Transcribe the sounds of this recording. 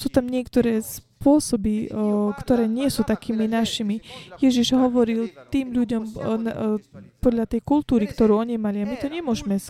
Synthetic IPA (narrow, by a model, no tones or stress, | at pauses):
suːt̪amɲɪɛkt̪ɔɾɛːspʊɔsɔbikt̪ɔɾɛːɲɪɛsuːt̪akiːminaʃimijɛʒiʒɦɔʋɔɾilt̪iːmʎuɟɔmnpɔd̪ʎat̪ɛjkult̪uːɾikt̪ɔɾuːɔɲimaliamit̪ɔɲɛmʊɔʒmɛs